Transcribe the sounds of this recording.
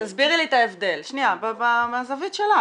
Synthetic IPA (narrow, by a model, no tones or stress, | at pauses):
t̪azbiʁlit̪aevd̪e̞lʃniababamaːzavit̪ʃela